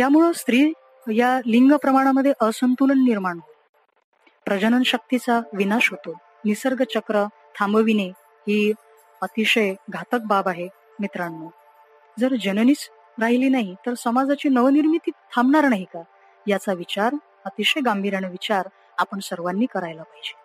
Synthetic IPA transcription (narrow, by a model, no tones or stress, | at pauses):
jamuɭəst̪ɾiː | jaliŋɡəpɾəmaɽ̃aməd̪ʱːjeʔəsənt̪ulənːiɾmaɳɦot̪o | pɾəd͡ʑənənɕək̚t̪it͡saʋinaɕɦot̪o | nisəɾɡət͡ɕəkɾə | t̪ʰambəʋine | ɦiː | ət̪iɕəjɡʱat̪ək̚babaɦe | mit̪ɾanːo | d͡zəɾd͡ʑənoniːt͡s | ɾaɦiliːnaɦit̪əɾsəmad͡zat͡ɕiːnəʋəniɾmit̪iːt̪ʰamɳaɾnaɦika | jat͡saʋit͡ɕaɾ | ət̪iɕəjɡambʱiɾanəʋit͡ɕaɾ | apəɳsəɾʋanːiːkəɾajlapaɦid͡ʑe